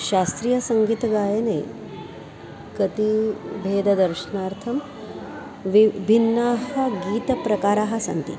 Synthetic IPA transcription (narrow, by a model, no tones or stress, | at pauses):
ʃaːst̪ɾijɐsɐŋɡiːt̪ɐɡaːjɐnḛː | kɐt̪ibʱeːd̪ɐd̪ɐɾʃɐnaːɾt̪ʰɐm | ʋibʱinːaːɦɐ̆ɡiːt̪ɐpɾɐkaːɾaːɦɐ̆sɐ̰nt̪ḭ